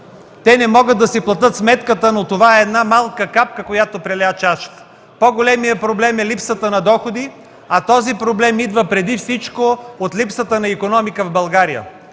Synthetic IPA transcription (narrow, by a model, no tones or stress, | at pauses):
t̪ɛnɛmɔɡəd̪ːɐsiplˠɐt̪ɤt̪smɛt̪kət̪ənot̪ovaɛːd̪namalˠkəkap̚kəkojat̪opɾɛlɛat͡ʃaʃt̪ | poɡolɛmijəpɾoblɛmɛlipsət̪ənɐd̪ɔxod̪i | ɐt̪ɔzipɾoblɛmid̪vəpɾɛd̪ifsit͡ʃkoot̪lipsət̪ənɐikonɔmikəvbɐlˠɡaɾijə̰